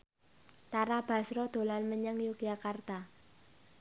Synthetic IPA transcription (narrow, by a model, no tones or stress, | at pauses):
t̪aɾab̥a̤sɾɔd̪̥o̤lanməɲəŋjuɡ̥jakart̪a